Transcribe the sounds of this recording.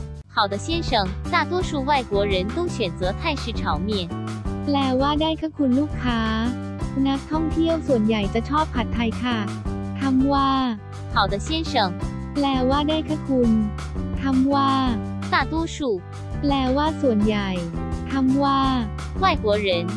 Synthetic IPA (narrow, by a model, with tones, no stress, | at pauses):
xa˨˩ʊd̪ə˦ɕjɛ˥nʂɤ˨˩ŋt̪a˥˩t̪wɔ˥ʂu˥˧wa˥˩ɪkwɔ˧˥ɻə˧˥nt̪o˥ʊɕɥɛ˨˩nt͡sɤː˨˧˥t̪ʰa˥˧ɪʂɻ̩˥˩ʈ͡ʂʰɑ˧˥ʊmjɛ˥˩nplɛː˨˩waː˥˩daː˥˩jkʰa˥˩kʰu˧nluː˥˩kʰːaː˦˥ | na˦˥k̚t̪ʰɔ˥˩ŋt̪ʰi˥˩əwsu˨˩ənja˨˩jt͡ɕa˨˩t͡ɕʰɔː˥˩p̚ʰːa˨˩t̪ʰːa˧jkʰa˥˩t̪ʰa˧˥mwaː˥˩ | xɑ˨˩ʊd̪ə˦ɕjɛ˥nʂɤ˨˩ŋ | plɛː˨˩waː˥˩daː˥˩jkʰa˥˩kʰu˧n | t̪ʰa˧˥mwaː˥˩ | t̪a˥˩t̪wɔ˥ʂu˥˩ | plɛː˨˩waː˥˩su˨˩ənja˨˩jt̪ʰa˧˥mwaː˥˩ | wa˥˩ɪkwɔ˧˥ɻə˧˥n